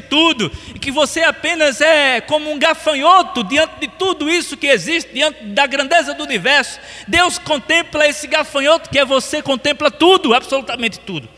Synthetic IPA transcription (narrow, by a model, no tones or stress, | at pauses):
t̪ud̪ʊɪkɪvoseapẽnɐzɛkõmʊũɡafɐ̃jot̪ʊd̪iɐ̃nt̪ɪd̪ɪt̪ud̪ʊisʊkɪeziʃt̪ɪd̪iɐ̃nt̪ɪd̪ɐɡɾɐ̃nd̪ezɐd̪ʊunivɛɾsʊ̥ | d̪ewskõnt̪ẽplɐesɪɡafɐ̃jot̪ʊ̥kɪɛvosekõnt̪ẽmplɐt̪ud̪ʊabsolut̪ɐmẽnt̪ɪ̥t̪ud̪ʊ